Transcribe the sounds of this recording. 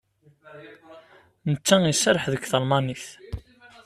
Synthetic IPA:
nət͡sːæisəɾˤəħðəkθəlmɑniθ

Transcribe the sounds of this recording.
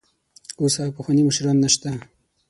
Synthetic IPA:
osapəxwɑniməʃiɾɑnːaʃt̪a

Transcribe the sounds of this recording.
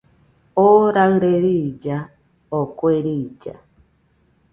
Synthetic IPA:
oɾaɣɯɾeɾid͡ʒa | okweɾiːd͡ʒa̰

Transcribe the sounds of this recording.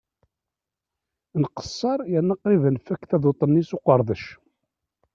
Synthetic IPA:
nqə̥sˤːɑɾˤjænːəqivənfækːθæðot̪ˤənːisoqəɾˤðˤəʃ

